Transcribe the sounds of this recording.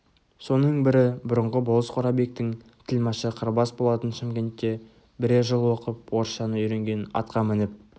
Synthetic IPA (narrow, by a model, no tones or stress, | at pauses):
so̞nəɴbɪɾɪbʊɾəɴʁəbolˠəsqʰoɾɑbe̞k̚t̪ɪŋt̪ʰɪlmɑʃəqʰəɾbɑsbo̞lˠɑt̪ənʃɪmkʲe̞nt̪ːe̞ | bɪɾeʒəlˠwo̞qəp̚wo̞ɾʃɑnəʏjɾe̞ŋɡʲe̞nɑ̰t̪qɑmɪnɪp̚